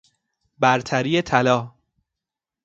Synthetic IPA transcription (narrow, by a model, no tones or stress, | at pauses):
bæɾt̪ʰæɾiːjet̪ʰælɒː